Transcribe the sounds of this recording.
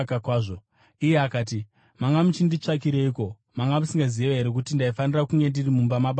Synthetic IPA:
kakwaːʐo | ije̞akaːt̬i | maŋɡamut͡ʃindit͡ʂak̬iɾe̞iko̞ | maŋɡamusiŋɡazieʋeɦe̞ɾe̞k̬utindaifanirakuŋɡe̞ndirimumbamaɓ

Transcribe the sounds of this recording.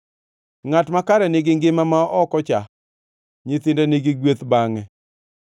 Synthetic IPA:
ŋatmakaɾɛnɪɡɪŋɡɪmamaʔɔkɔt͡ʃa | ɲɪt̪ɪndɛnɪɡɪɡwet̪baŋɛ

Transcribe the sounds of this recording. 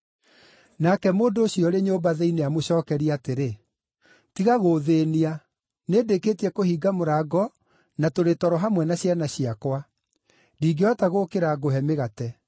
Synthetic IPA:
nakɛmoːndoːɕiɔɾeɲoːbaðɛineamoɕɔːkɛɾiateɾe | tiɣaɣoːðeːnia | neːdekeːtiɛkohiːɡamoɾaːɡɔ | natoɾetɔɾɔɦamwɛnaɕjanaɕijakwa | diːɡeɔataɣoːkeɾaɡoɦɛmeɣatɛ

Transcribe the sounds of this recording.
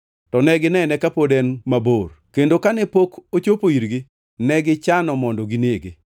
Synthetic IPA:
tɔnɛɡɪnɛnɛkapodɛnmaborkendokanɛpokot͡ʃopoiɾɡɪ | nɛɡɪt͡ʃanɔmɔndɔɡineɡɪ

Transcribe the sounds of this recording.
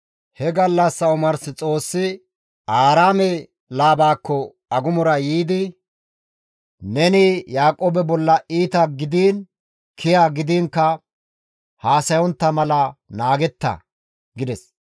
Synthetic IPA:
hɛɡɐlːɐsːɐʊmɐɾsɪt͡sʼo̞ːsːɪ | aːɾaːmɛ | laːbaːkːɔ | ɐɡʊmɔɾɐjiːd̪ɪ | nɛnɪjaːkʼoːbɛbɔlːɐʔiːt̪ɐɡɪd̪iːn | kʰɪjaːɡɪd̪iːŋkːɐ | haːsɐjɔnt̪ːɐmɐlɐnaːɡɛt̪ːɐ̰ | ɡɪd̪ɛs

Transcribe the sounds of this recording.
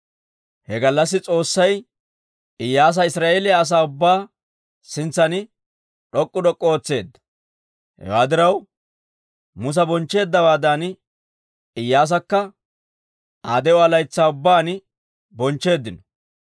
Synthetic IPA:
hɛɡɐlːɐsːɪt͡sʼo̞ːsːɐj | ɪjːaːs̬ɐɪsɾaːʔeːlɪjaːs̬aːʊbːaː | sɪnt͡sːɐnɪ | ᶑɔkʼːʊd̪ɔkʼːoːt͡sːe̞ːd̪ːɐ̥ | hɛ̰waːd̪ɪɾɐw | mʊs̬ɐbɔnt͡ʃːe̞ːd̪ːɐwaːd̪aːn | ɪjːaːs̬ɐkːɐ | ʔaːd̪ɛɔɐlɐjt͡sːaːʊbːaːnɪ | bɔnt͡ʃːe̞ːd̪ːɪnɔ̥

